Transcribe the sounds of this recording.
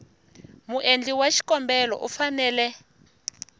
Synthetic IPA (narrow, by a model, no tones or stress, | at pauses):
muʔend͡ɮiwaʃi̥kʼɔmbɛlɔ̰ʔufanɛːlɛ